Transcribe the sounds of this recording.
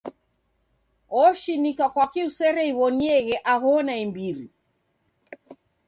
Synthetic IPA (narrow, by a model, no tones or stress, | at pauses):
ɔʃinikakwakiusɛɾɛiβɔniɛɣɛʔaɣɔnaimbiɾi